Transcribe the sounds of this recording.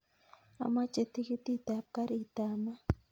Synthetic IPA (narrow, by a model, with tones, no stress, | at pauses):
a̰˨ma˦t͡ʃe˨t̪i˦ki˦t̪i˦t̪a˨ka˦ɾi˨t̪a˨ma˦